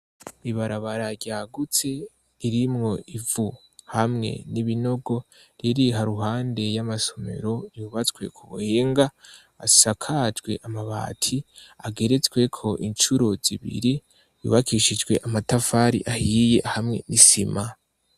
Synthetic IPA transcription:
iβaɾaβaɾaɟaːɡut͡se̞ | iɾimŋo̞ivu | hamŋe̞̰niβino̞ɡo̞ | ɾjiɾiɦaɾuɦaːnde̞jamaso̞me̞̰ɾo̞juːβat͡swe̞̰kʰuβṵheːŋɡa | a̰sakʰad͡ʒɡwe̞̰ʔamaβa̰ːtʰiaɡe̞ɾe̞t͡sɡwe̞kʰo̞ʔint͡ʃuɾo̞ziβḭɾi | jṵːβakʰiʃid͡ʒɡwe̞ʔamatafaːɾḭʔahiːje̞ʔhamŋe̞̰nisima

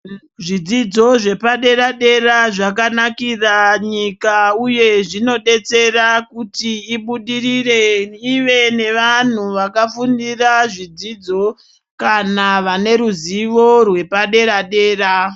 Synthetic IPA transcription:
ʐid͡zid͡zo̞ʐe̞paɗe̞ɾaɗe̞ɾaʐak̬anakiraɲikauje̞ʐino̞ɗe̞t͡se̞rakutiːɓuɗirireiʋe̞ne̞ʋan̤uʋakafundiraʐid͡zid͡zo̞ | kanaʋane̞ɾuziʋo̞rwe̞paɗe̞ɾaɗe̞ːra

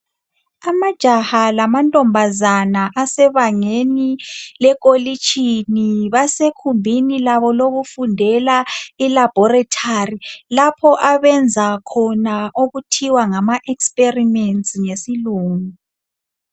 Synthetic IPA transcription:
amad̥ʒ̥ʱahalamantʼɔmbʱazanaʔasɛβaŋenilɛk̬ʼolit͡ʃʼʰiniβasekʰumbʱinilaβɔloɣufundʱɛlailab̥ʱɔratʰarilapʰɔʔaβɛnd͡zʱakʰɔnaʔoɣutʰiwaŋamaʔɛkspʼerimɛntsiŋesiluːŋu

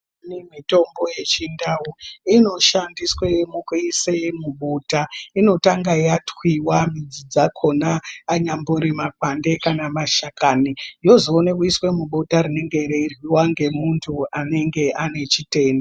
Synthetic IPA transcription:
nimito̞mbo̞je̞t͡ʃindawuino̞ʃandiswemukuisemuɓotaino̞taŋɡajatwiwamid͡zid͡zakʰo̞naːɲamboɾimakwande̞kanamaʃakanijo̞zoːnekuiswe̞muɓotarine̞ŋɡe̞ɾeirwiwaŋɡe̞muntʰuane̞ŋɡe̞ʔane̞t͡ʃite̞ːnda

